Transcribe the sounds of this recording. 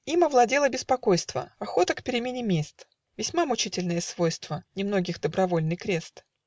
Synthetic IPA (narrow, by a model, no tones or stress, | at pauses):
imɐvlˠɐdʲelˠəbʲɪspɐko̞jst̪və̰ɐxo̞t̪əkpʲɪɾʲɪmʲenʲɪmʲest̪ | vʲɪsʲmamʊt͡ɕitʲɪlʲnɨjəsvo̞jst̪vənʲɪmno̞ɡʲɪxd̪əbɾɐvo̞lʲnɨjkɾʲe̞st̪